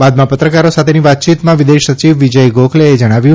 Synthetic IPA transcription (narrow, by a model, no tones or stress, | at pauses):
bad̪mãpət̪ɾəkaɾosat̪ʰeniʋat̪̚t͡ʃit̪mãʋid̪eʃət͡ʃiʋːid͡ʒəjɡokʰleed͡ʒəɽ̃aʋjũ